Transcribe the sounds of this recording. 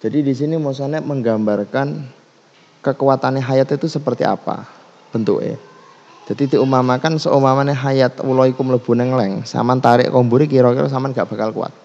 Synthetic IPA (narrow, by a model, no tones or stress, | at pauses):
d͡ʒ̥adidis̬inimosaneməŋɡambarkan | kəkuwat̪aneɦajat̪it̪usəpərt̪ḭa̰pa̰ | b̥ənt̪ṵkḛ̥ | d͡ʒ̥ad̪id̪i̤umamakansə̰ʔumamaneɦajat̪ṵlɔikʊmləb̥ṳnɛŋlɛŋsa̰mant̪aɾɪ̰ʔkɔmbuɾikiɾɔkiɾɔ̰s̬amanɡaʔb̥a̤kalkṵa̰t̪̚